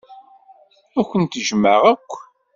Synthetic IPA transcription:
ækʷːənt̪ʒməʁækʷː

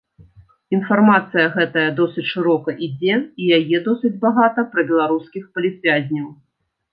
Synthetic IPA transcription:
infarmat̪sɨjɐɣɛt̪ɐjɐd̪ɔsɨt͡sʲʂɨɾɔkɐʔid͡zʲɛijajɛd̪ɔsɨd͡zʲbaɣat̪ɐpɾɐbʲɛlˠaɾuskʲixpɐlʲit̪vʲazʲnʲɐw

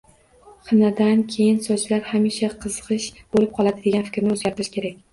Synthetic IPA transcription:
χɨnad̪ankʲʰe̞jɪnsɒd͡ʒlaɾhamiʃaqʰɨzɨqɨʃb̥olɪp̚qʰɒlˠad̪ɪd̪eanfɪ̥kʲɾnɪozɡʲaɾt̪ɪʃkʲʰe̞ɾakʲ

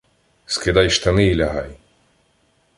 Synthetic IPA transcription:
skɪd̪ɑjʃt̪ɐnɪilʲɐɦɑj

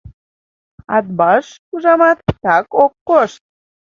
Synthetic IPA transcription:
ɑt̪̚bɑʃkuʒɑmɑt̪ːɑkokːoʃt̪̚

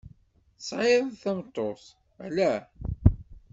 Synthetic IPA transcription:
sˤʕeðθæmt̪ˤːoθ | ælæ

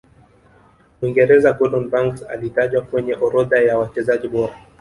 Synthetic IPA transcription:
wiŋɡɛɾɛzaɡɔɗɔnbaŋksa̰litaʄwakwɛɲɛʔɔɾɔðajawat͡ʃɛzaʄiɓɔɾa

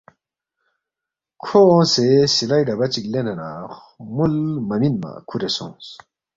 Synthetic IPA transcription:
kʰoõːsesilajɖɐbɐt͡ɕiklenenaːx | mulmɐminma̰kʰuɾesõ̰ːs

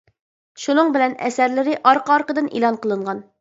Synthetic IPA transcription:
ʃunɤɴbɪlɛnɛ̰sæɾlɪɾɪʔɑɾqɑɑɾqəd̪ɨnʔḭlˠɑnqəlˠɤɴʁɑn

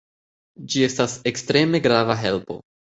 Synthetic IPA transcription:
d͡ʒie̞stase̞kstɾe̞me̞ɡɾavaɦe̞lpo̞̰

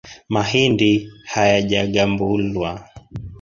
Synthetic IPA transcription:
mahindihajaʄaɠambulwa

